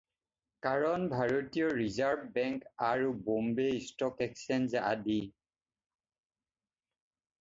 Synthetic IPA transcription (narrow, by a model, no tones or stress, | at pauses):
kaɹɔnbʱaɹotijɔɹizaɹbbɛŋkaɹubombeistɔkɛksɛnzaʔa̰di